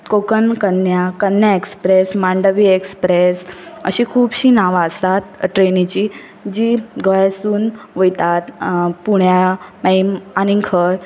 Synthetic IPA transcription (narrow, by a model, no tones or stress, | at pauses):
kokənkənjakənjaekspɾesmãɳɖəʋiekspɾesə̰ɕikʰuːbɕiːnaʋaəst̪at̪ʈɾenĩt͡ɕiː | d͡ʑiːɡəjasuːnʋəjt̪at̪puɽjaməimanĩkʰəɾ